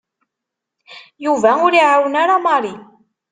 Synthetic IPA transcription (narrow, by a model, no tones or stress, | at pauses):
juvæʊɾiʕawənaɾamɑɾˤi